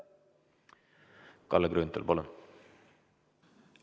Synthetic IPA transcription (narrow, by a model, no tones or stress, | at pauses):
kʰɑ̰ləɡɾʉːnt̪ʰɪ̰lbolən